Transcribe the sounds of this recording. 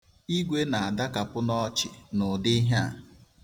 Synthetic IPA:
i˦ɡʷe˦na˨a˨da˦ka˨pʊ˦nɔ˦t͡ʃɪ˨nʊ˨dɪ˦ɦa̰˨

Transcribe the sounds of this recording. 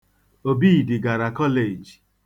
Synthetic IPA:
o˨bi˦˨dɪ˨ɡa˨ɾa˨kɔ˦le˨d͡ʒ

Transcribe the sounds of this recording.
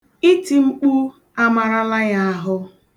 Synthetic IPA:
i˦ti˨ŋ͡m̩˦k͡pu˦ | a˦ma˨ɾa˦la˦ja˦a˨ɦʊ˦

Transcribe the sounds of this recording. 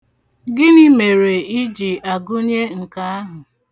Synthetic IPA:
ɡɪ˦ni˦me˨ɾe˨i˦d͡ʒi˨ʔa˨ɡʊ˦ɲe˦ŋ̩˨ka˦a˦ɦʊ˨

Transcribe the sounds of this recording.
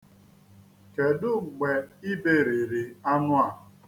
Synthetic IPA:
ke˨dʊ˦˨ɡ͡be˨i˦be˦˨ɾe˨ɾi˨a˦nʊ˦a˨

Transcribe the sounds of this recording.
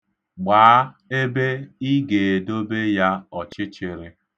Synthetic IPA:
ɡ͡baː˨˦ | e˦be˦i˦ɡe˨do˦be˦ja˦ɔ˨t͡ʃɪ˦t͡ʃɪ˨ɾɪ˦

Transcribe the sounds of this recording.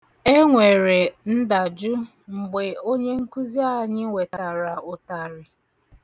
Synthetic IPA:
e˦ŋʷe˨ɾe˨n̩˦da˨d͡ʒʊ˦ | ŋ͡m̩˨ɡ͡be˨o˦ɲe˦ŋ̩˦ku˦zi˦a˦ɲɪ˦we˨ta˨ɾa˨ʊ˨ta˨ɾɪ˨

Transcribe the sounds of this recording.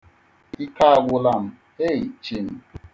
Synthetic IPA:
i˦ka˦a˦ɡʷʊ˦la˦m̩˦ | e˦˨i˨t͡ʃi˦n̩˦

